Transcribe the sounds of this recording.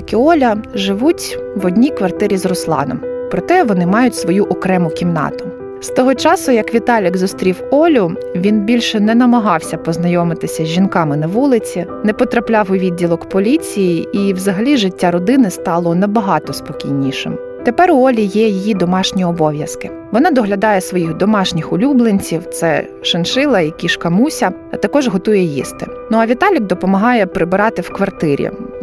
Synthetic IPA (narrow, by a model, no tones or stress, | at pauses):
jɐkʲiɔlʲɐʒɪʋutʲʋɔdʲnʲikʋɐrt̪ɪɾʲizrɔslˠɑ̰nɔ̰mpɾɔt̪ɛʋɔnɪmɑjʊtʲsʋɔjuʔɔkɾɛmʊkʲimnɑ̰t̪ʊ̥ | st̪ɔɦɔt͡ʃɑsʊjɐkʋʲit̪ɑlʲɪɡzʊst̪ɾʲiwɔlʲʊ | ʋʲinbʲilʲʃɛnɛnɐmɐɦɑwsʲɐpɔznɐjɔmɪt̪ɪsʲɐzʲʒinkɑmɪnɐʋulˠɪt͡sʲinɛpɔt̪ɾɐplʲɑwʊʋʲid̪ʲdʲːilˠɔkpɔlʲit͡sʲijiiwzɐɦɐlʲiʒɪtʲːaɾɔd̪ɪnɪst̪ɑlˠɔnɐbɐɦɑt̪ɔspɔkʲijnʲiʃɪm | t̪epɛɾɔlʲijɛjijid̪ɔmɑʃnʲiɔbɔʋʲjɐskɪ | ʋɔnɑd̪ɔɦlʲɐd̪ɑjɛsʋɔjiɣd̪ɔmɑʃnʲixʊlʲublˠenʲt͡sʲiwt̪sɛ | ʃɐnʃɪlˠɐikʲiʃkɐmusʲɐ | ɐt̪ɐkɔʒɦɔt̪ujɛjḭst̪ɪ̰nuɐʋʲit̪ɑlʲɪk̚d̪ɔpɔmɐɦɑjɛpɾɪbɪɾɑt̪ɪwkʋɐrt̪ɪɾʲḭ